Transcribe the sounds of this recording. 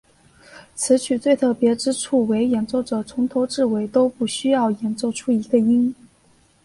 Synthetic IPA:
t͡sʰɹ̩˧˥t͡ɕʰy˨˩t͡swe˥˧ɪt̪ʰɤ˥˩pjɛ˧˥ʈ͡ʂɻ̩˥ʈ͡ʂʰu˥˩we˧˥ɪjɛ˨˧˥nt͡ɕjo˥˩ʊʈ͡ʂɤ˨˩t͡sʰʊ˧˥ŋt̪ʰo˧˥ʊʈ͡ʂɻ̩˥˩we˧˥ɪt̪o˥ʊpu˥˩ɕy˥jɑ˥˩ʊjɛ˧˥nt͡ɕjo˥˧ʊʈ͡ʂʰu˥i˧˥ɡə˧i˥ŋ

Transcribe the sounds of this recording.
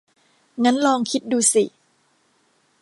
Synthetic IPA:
ŋa˦˥nlɔː˧ŋkʰi˦˥t̪̚duː˧si˨˩

